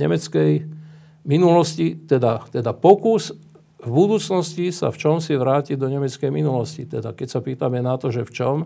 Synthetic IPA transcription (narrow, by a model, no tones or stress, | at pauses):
ɛ̰mɛt͡skɛj | minulɔscit̪ɛd̪at̪ɛd̪apɔkus | vbud̪uːt͡snɔscisa̰ft͡ʃɔmsiʋɾaːcid̪ɔɲɛmɛt͡skɛjminulɔscit̪ɛd̪akɛcsapiːt̪amɛnat̪ɔʒɛft͡ʃɔm